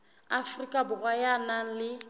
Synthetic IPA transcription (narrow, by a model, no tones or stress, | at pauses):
afrikʼabʊrwajanaŋ̩lɪ